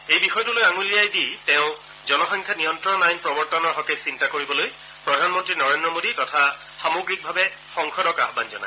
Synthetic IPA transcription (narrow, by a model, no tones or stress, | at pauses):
ejbixɔjtulojaŋulijajditɛ̃ʊ̃ | zɔnɔxɔŋkʰanijɔntɹɔnajnpɹɔbɔɹtɔnɔɹɦɔketsintakoɹibɔloj | pɹɔdʱanmɔntɹinɔɹendɹɔmoditɔtʰa | xamoɡɹik̚bʱabɛ | xɔŋxʰɔdɔka̰ɦbanzɔ̰na̰j